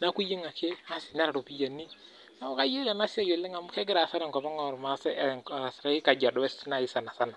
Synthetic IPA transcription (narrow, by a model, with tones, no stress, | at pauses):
na˦ku˦ji˦ŋa˨kʰe˦a˦sɪ˨na˦ɾa˨ɾo˨pi˦ja˨nːi˦ | na˦u˦ka˦je˦lɛ˨na˦si˦a˦jo˨lːɪ˦ŋa˨m˦kɛ˦ɡɪ˦ɾa˨sa˦ɾɛ˨ŋkɔ˨ma˦ŋa˦˨ɾma˨˦sɛ˦˨a˨sɾa˨˦i˦ka˨ɟa˨dɔ˦wɛ˦sna˦˨ji˦sa˨na˨sa˦na˨